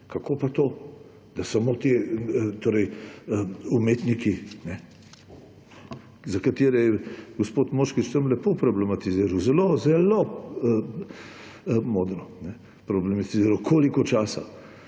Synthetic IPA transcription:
kakopat̪oː | d̪asamot̪et̪oːɾɛj | umeːt̪nikinɛ | zakat̪eːɾɛjɛɡospoːt̪moːʃkit͡ʃt̪əmlɛpopɾɔblɛmat̪iziːɾawzɛlozɛlo | moːd̪ɾɔnɛ | pɾɔblɛmat̪iziːɾawkʰoːlikɔt͡ʃaːsa̰

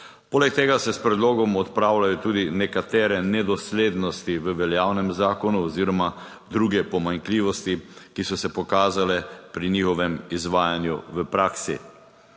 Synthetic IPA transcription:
poːlɛk̚t̪eːɡasɛspɾɛd̪loːɡɔmɔt̪pɾaːwlajɔt̪uːd̪inɛkat̪ɛːɾɛnɛd̪ɔsleːd̪nɔst̪iʋəʋɛljaːwnɛmzaːkɔnuɔziːɾɔma | d̪ɾuːɡɛpɔmaŋkliʋɔst̪ikisɔsɛpɔkaːzalɛpɾinixɔʋɛmizʋaːjanjuʋəpɾaːksḭ

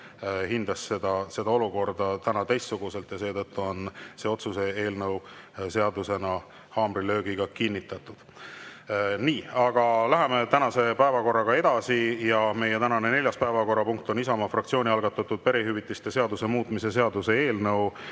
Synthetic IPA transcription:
hind̪̥ɑsed̪̥ɑse̞d̪ɑo̞luko̞rd̪̥ɑt̪ænɑt̪ejst̪suɡ̥use̞lt̪jɑse̞ːt̪ɤt̪ːuo̞nse̞ːo̞t̪suse̞eːlnɤw | se̞ɑd̪use̞nɑ | hɑːmrilø̞ːɡiɡ̥ɑkinʲːit̪ːˑɑt̪ːˑud̪̥ | niːɑɡ̥ɑlæɦe̞me̞t̪ænɑse̞pæevɑko̞rːɑɡ̥ɑe̞d̪̥ɑsijɑme̞jet̪ænɑnene̞ljɑspæevɑko̞rːɑpuŋk̚t̪o̞nisɑmɑfrɑkt̪sio̞ːnʲiɑlɡɑt̪ːˑɑt̪ːud̪̥̚pe̞ɾiɦyvit̪ːˑist̪e̞se̞ɑd̪use̞muːt̪ˑmise̞s̬e̞ɑd̪use̞e̞ːlnɤw

